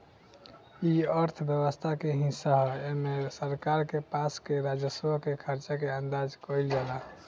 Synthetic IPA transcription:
iəɾt̪ʰbjəβəst̪ʰakeɦĩsaɦɔemesəɾkaɾkepaskeɾad͡ʒəsbəkekʰəɾt͡ʃakeə̃nd̪ad͡ʒkɔjld͡ʒala

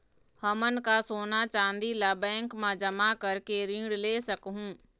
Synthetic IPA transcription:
həmənkasoːnat͡ʃãːnd̪ilabɛ̃ːŋkmãd͡ʒəmakɐɾkeɾĩːɽleːsəkɦũː

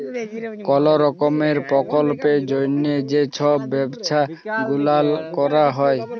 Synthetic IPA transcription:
kɔloɾɔkomeɾpɾɔkolped͡ʑojnːed͡ʑet͡ɕʰɔːɛbʃʰa | ɡulalkɔɾaɦɔe

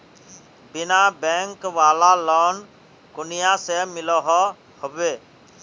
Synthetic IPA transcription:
bɪnaːbɛːŋkʋaːlaːlɔːn | kʊnɪjaːseːmɪloːɦɔ | hʊʋeː

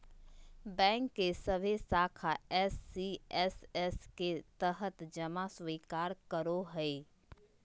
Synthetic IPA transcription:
bɛ̃ːŋkːesəbʱesaːkʰaɛːsːiɛsɛsket̪əɦət̪d͡ʒəmaswiːkaːɾkəɾoɦɛe

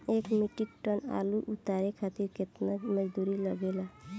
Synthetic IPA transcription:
ekmiʈik̚ʈəna̰luʔut̪aɾekʰat̪iɾket̪naməd͡ʒd̪uɾiləɡela

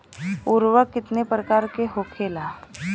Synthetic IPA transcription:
uɾʋəkɪt̪nepɾəkaːɾkeɦokʰelaː

